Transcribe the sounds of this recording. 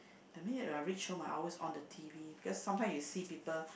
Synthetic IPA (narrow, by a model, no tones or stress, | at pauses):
d̥əminitãɹit͡ʃʃõma̰ʔɔ̰lwesɔ̰̃ndətʰivibikɔsːãmtãɪ̃msjusipiːpəl